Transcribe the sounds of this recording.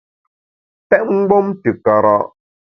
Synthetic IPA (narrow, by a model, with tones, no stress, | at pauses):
tɛ˦ʔ̚ŋ̩˦ɡ͡bɔ˦mtə˨ka˨ɾa̰˦ʔ